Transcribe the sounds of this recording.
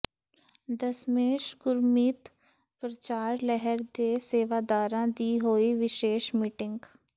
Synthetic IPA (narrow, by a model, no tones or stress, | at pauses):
d̪əsmeːʃɡʊɾmiːt̪ | pɾət͡ʃaːɾlɛɦəɾd̪eːseːʋaːd̪aːɾãːd̪iːɦoːiʋɪʃeːʃmiːʈɪ̃ŋɡ